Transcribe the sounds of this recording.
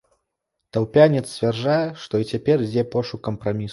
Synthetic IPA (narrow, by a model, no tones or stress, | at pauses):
t̪ɐwpʲanʲɛt̪sʲt͡sʲvʲɛrʐajɛʂt̪ɔit͡sʲapʲɛrd͡zʲɛpɔʂukɐmpɾamʲis